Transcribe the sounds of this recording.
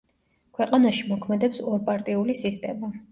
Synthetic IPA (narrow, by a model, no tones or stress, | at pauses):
kʰwɛqʼanaʃimɔkʰmɛd̪ɛpsɔɾpʼaɾt̪ʼiulisist̪ʼɛma